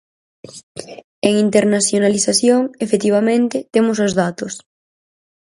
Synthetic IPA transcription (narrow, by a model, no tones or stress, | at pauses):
eŋint̪eɾnaθjonaliθaθjoŋefet̪iβ̞amẽnt̪ɪt̪emʊs̬ʊzðat̪ʊs